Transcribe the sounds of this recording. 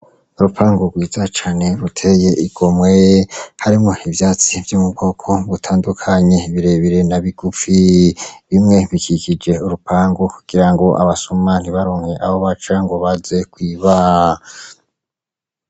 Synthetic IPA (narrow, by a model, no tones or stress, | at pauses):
uɾupʰaːŋɡoɡwiːzat͡ʃaːne̞ɾutʰe̞je̞ʔiɡ̥o̞mwehaɾimŋo̞ivjaːt͡sivjomubɡo̞kʰo̞βutʰaːndukʰaɲe̞βiɾe̞βiɾenaβiɡ̥ufiβimŋe̞βikikid͡ʒe̞uɾupaːŋɡokuɡ̥iɾaŋɡo̞ʔa̰βasuman̥iβaɾoːŋ̥heʔaβoβat͡ʃaŋɡoβaze̞kwiːβa